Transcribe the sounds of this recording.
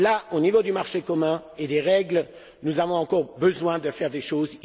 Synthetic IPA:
laonivod̪ymaʁʃekɔmɛ̃ed̪eʁɛɡl | nuzavɔ̃ɑ̃kɔʁbəzwɛ̃d̪əfɛʁd̪eʃoz

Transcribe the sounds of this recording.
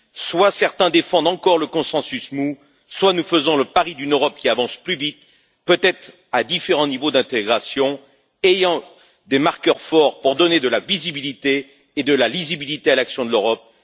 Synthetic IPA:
swasɛʁt̪ɛ̃d̪efɑ̃d̪ɑ̃kɔʁləkɔ̃sɑ̃sysmu | swanufəzɔ̃ləpaʁid̪ynøʁɔp̚kʲiavɑ̃splyvit̪ | pøt̪ɛt̪χ | ad̪ifeʁɑ̃nivod̪ɛ̃t̪eɡʁasjɔ̃ | ejɑ̃ | d̪emaʁkʲœʁfɔʁpuʁd̪ɔned̪əlavizibilit̪eː | d̪əlalizibilit̪ealaksjɔ̃d̪əløʁɔp̚

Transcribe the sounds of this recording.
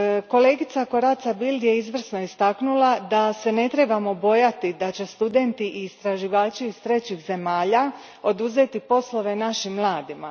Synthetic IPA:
ko̞le̞ːɡit̪sako̞ɾat̪sabild̪je̞izʋr̩sno̞ist̪aknulˠad̪ase̞ne̞t̪ɾe̞bamo̞bo̞jat̪id̪at͡ɕe̞st̪ud̪e̞nt̪iʔiːst̪ɾaʒiʋaːt͡ʃiːst̪ɾe̞t͡ɕixze̞maːʎa | o̞d̪uze̞t̪ipo̞slˠo̞ʋe̞naʃimːlˠaːd̪ima

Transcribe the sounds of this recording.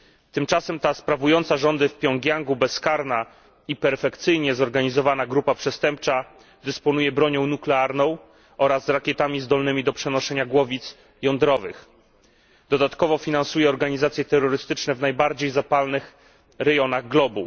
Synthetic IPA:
t̪ɘmt͡ʂasɛmt̪aspɾavujɔnt̪saʐɔnd̪ɘfpʲjɔŋɡʲjaŋɡubɛskaɾna | ipɛɾfɛkt̪sɘjɲɛzɔɾɡaɲizɔvanaɡɾupapʂɛst̪ɛmp̚t͡ʂa | d̪ɘspɔnujɛbɾɔɲɔ̃w̃nuklɛaɾnɔ̃w̃ | ɔɾazːɾakʲjɛt̪amʲizd̪ɔlnɘmʲid̪ɔpʂɛnɔʂɛɲaɡwɔvʲit̪s | jɔnd̪ɾɔvɘ̰x | d̪ɔd̪at̪kɔvɔfʲinansujɛɔɾɡaɲizat̪sʲjɛt̪ɛɾːɔɾɘst̪ɘt͡ʂnɛvnajbaɾd͡ʑejzapalnɘx | ɾɛjɔnaɣɡlɔbu

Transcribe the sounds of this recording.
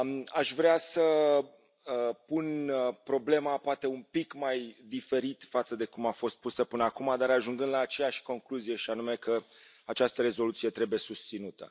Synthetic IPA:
aʃvɾeasə | əpunpɾo̞ble̞mapoat̪e̞umpikmajd̪ife̞ɾit̪fat̪səd̪e̞kumafo̞st̪̚pusəpɨnəakumad̪aɾaʒuŋɡɨnd̪laːt͡ʃe̞jaʃʲko̞ŋkluzije̞ʃianume̞kə | at͡ʃast̪əɾe̞zo̞lut̪sije̞t̪ɾe̞buje̞sust̪sinut̪ə̰

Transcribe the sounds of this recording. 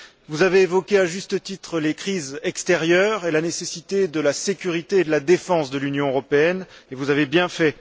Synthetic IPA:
vuzaveevɔkʲeaʒyst̪ət̪it̪χəlekχizɛkst̪ɛʁjœʁelanesesit̪ed̪əlasekʲyʁit̪eːd̪əlad̪efɑ̃sd̪əlynjɔ̃øʁɔpeɛn | evuzavebjɛ̃fɛ

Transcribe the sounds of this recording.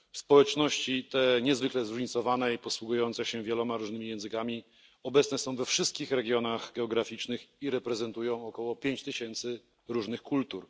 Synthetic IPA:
fspɔwɛt͡ʂnɔɕt͡ɕit̪ɛɲɛzvɘklɛzɾuʐɲit̪sɔvanɛipɔswuɡujɔnt̪sɛɕɛvʲjɛlɔmaɾuʐnɘmʲijɛ̃w̃zɘkamʲi | ɔbɛt̪snɛsɔ̃w̃vɛfʂɘst̪̚kʲixɾɛɡʲjɔnaɣɡɛɔɡɾafʲit͡ʂnɘxiɾɛpɾɛzɛnt̪ujɔ̃w̃ɔkɔwɔpʲjeɲt͡ɕt̪ɘɕɛnt̪sɘ | ɾuʐnɘxkult̪uɾ

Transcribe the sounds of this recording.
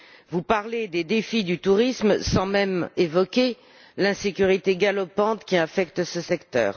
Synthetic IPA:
vupaʁled̪ed̪efid̪yt̪uʁismsɑ̃mɛmevɔkʲe | lɛ̃sekʲyʁit̪eɡalɔpɑ̃t̪kʲiafɛkt̪səsɛkt̪œ̰ːʁ

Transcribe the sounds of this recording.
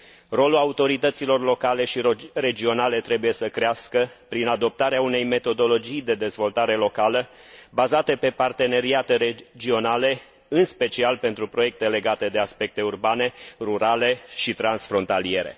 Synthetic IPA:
ro̞luaut̪o̞ɾit̪ət̪silo̞rlo̞kaleʃire̞d͡ʒio̞nale̞t̪ɾe̞buje̞səkɾeaskəpɾinad̪o̞p̚t̪aɾeaune̞jme̞t̪o̞d̪o̞lo̞d͡ʒijd̪e̞d̪e̞zvo̞lt̪aɾe̞lo̞kalə | bazat̪e̞pe̞part̪e̞ne̞ɾiat̪e̞ɾed͡ʒio̞nale̞ | ɨnspe̞t͡ʃialpe̞nt̪ɾupɾo̞je̞k̚t̪e̞le̞ɡat̪e̞d̪e̞aspe̞k̚t̪e̞urbane̞ruɾale̞ʃit̪ɾansfɾo̞nt̪alie̞ɾe̞̰

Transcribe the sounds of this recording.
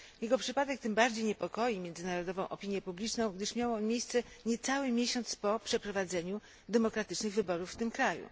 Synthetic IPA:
jɛɡɔpʂɘpad̪ɛk̚t̪ɘmbaɾd͡ʑejɲɛpɔkɔjimʲjɛndzɘnaɾɔd̪ɔvɔ̃w̃ʔɔpʲiɲjɛpublʲit͡ʂnɔ̃w̃ɡd̪ɘʂmʲjawɔmʲjejst̪sɛ | ɲɛt̪sawɘmʲjeɕɔnt̪spɔpʂɛpɾɔvad̪zɛɲu | d̪ɛmɔkɾat̪ɘt͡ʂnɘɣvɘbɔɾufːt̪ɘmkɾajṵ

